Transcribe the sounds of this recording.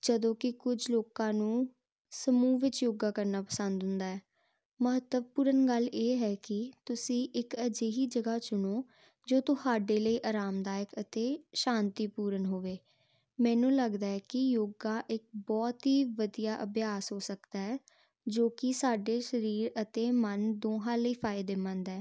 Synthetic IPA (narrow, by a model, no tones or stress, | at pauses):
d͡ʒəd̪õːkɪkʊd͡ʒloːkãːnũː | səmuːʋɪt͡ʃjoːɡaːkəɾnaːpəsə̃nd̪ɦʊ̃nd̪aːɛː | məɦət̪əʋpuːɾənɡəlːeːɦɛːkɪt̪ʊsĩːʔɪkəd͡ʒeːɦiːd͡ʒəɡaːt͡ʃʊnoː | d͡ʒoːt̪ʊhaːɖeːləiːʔaːɾaːmd̪aːjəkət̪eːʃãːnt̪iːpuːɾənɦoːʋeː | mɛ̃ːnũːləɡd̪aːɛːkɪjoːɡaːʔɪk̚bɔːt̪ɦiːʋəd̪ijaːʔəbjaːsɦoːsəkd̪aːɛː | d͡ʒoːkɪsaːɖeːʃəɾiːɾət̪eːmənd̪oːɦãːləiːpʰaːɪd̪eːmə̃nd̪ɛː